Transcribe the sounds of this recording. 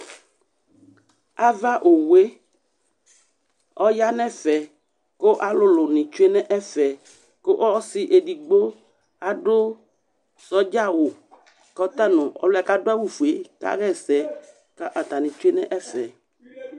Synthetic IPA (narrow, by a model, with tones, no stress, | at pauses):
a˦va˦ʔo˨we˦ | ɔ˦ja˦nɛ̃˦fɛ˨ | ko˦ʔa˦lʊ˦lʊ˨nɪ̃˨t͡ʃe˦nɛ̃˦ʔɛ˦fɛ˨ | ko˦ʔɔ˦sɪ˦ʔe˨di˨ɡ͡bo˦ | a˨ɖʊ˦ | sɔ˦d͡ʒa˦wʊ˨ | kɔ˦t̪a˦nʊ̃˨ɔ̰˦lʊ˦a˨ka˦dʊ˦a˦wu˦fu˨e˨ka̰˦ɣɛ˦sɛ˦ | ka˦ʔa˨t̪a˨nɪ̃˨t͡ʃu˦e˦nɛ̃˦ʔɛ˦fɛ˨